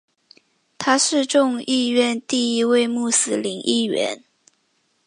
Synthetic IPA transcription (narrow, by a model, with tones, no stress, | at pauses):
t̪ʰa˥ʂɻ̩˥˧ʈ͡ʂʊ˥˧ŋi˥˧ɥɛ˥˧nt̪i˥˧i˦˥we˥˧ɪmu˥˩sɹ̩˨˥li˧˥ŋʔi˥˩ɥɛ̰˧˦n